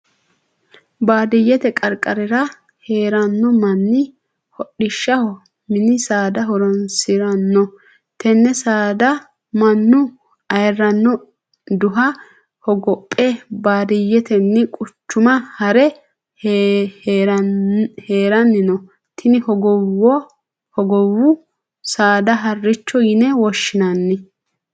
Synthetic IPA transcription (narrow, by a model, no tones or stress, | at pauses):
baːd̪ɪjːɛt̪ɛkʼɐɾkʼɐɾɛɾɐ | heːɾɐnːɔmɐnːɪ | hɔɗɪʃːɐhɔ | mɪnɪsaːd̪ɐɦɔɾɔnsɪɾɐnːɔ | t̪ɛnːɛsaːd̪ɐ | mɐnːʊ | ɐjrɐnːɔ | d̪ʊɦɐ | hɔɡɔpʼːɛbaːd̪ɪjːɛt̪ɛnːɪkʼʊt͡ʃːʊmɐhɐɾɛ | heːɾɐnːɪnɔ | t̪ʰɪnɪhɔɡɔwɔ | hɔɡɔwʊ | saːd̪ɐɦɐrːɪt͡ʃːɔjɪnɛwɔʃːɪnɐnːɪ